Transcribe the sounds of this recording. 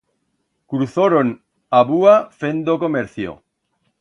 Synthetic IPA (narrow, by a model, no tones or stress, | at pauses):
kuɾuθoɾon | aβuafend̪okomeɾθjo̰